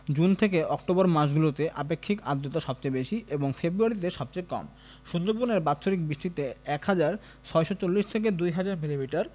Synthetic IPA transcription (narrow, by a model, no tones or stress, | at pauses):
d͡ʑunt̪ʰek̬eʔɔk̚ʈobɔɾmaʃ̬ɡulot̪eʔapekʰːikad̪ːot̪aʃɔb̚t͡ɕajbeʃiʔeboŋfebɾuaɾit̪eʃɔb̚t͡ɕejkɔ̰m | ʃund̪oɾpuɾneɾbatːɕʰoɾik̚bɾiʃʈit̪eɛkhad͡ʑaɾ | t͡ɕʰɔeʃɔt͡ɕolːiʃt̪ʰek̬ed̪ujɦad͡ʑaɾmilimiʈaɾ